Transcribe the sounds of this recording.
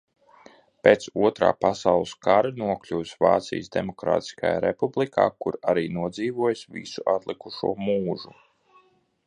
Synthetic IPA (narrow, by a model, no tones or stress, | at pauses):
peːt̪suɔt̪ɾa̰ːpasawlˠɨskaɾɨnuɔklʲuːsva̰ːt̪sḭjsd̪emɔkɾa̰ːt̪i̥skaja̰ːɾɛpublˠikʰa̰ːkuɾaɾiːnuɔd̪ziːvuɔjsvḭsuʔat̪lˠikuʃṵɔmuːʒu